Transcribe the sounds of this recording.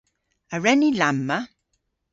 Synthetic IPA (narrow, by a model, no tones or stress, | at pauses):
əɹɛnilamːə